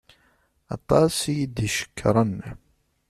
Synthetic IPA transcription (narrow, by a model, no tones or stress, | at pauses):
ɑ̰t̪ˤːɑsijid̪iʃə̥kːɾˤɑnː